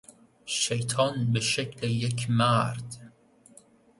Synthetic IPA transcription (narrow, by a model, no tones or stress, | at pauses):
ʃejt̪ʰɒnbeʃekʰlejekʰmæɾd̪̥